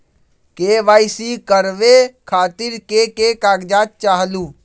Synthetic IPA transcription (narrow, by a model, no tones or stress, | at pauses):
keʋaːɪsikəɾʋekʰaːt̪ɪɾkekeːkaːɡd͡ʒaːt̪̚t͡ʃaːɦluː